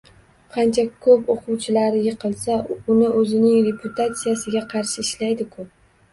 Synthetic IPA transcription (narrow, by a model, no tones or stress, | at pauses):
qʰɑnt͡ʃʰakʰɵpoqʊwt͡ʃʰɪlaɾɪjɪqʰɨlˠsaʊnɪʔɵzɪnɪŋɾe̞pʰʊt̪ʰat̪sijasɪɡʲaqʰɑɾʃɪːʃlajd̪ɪkʰʊp̚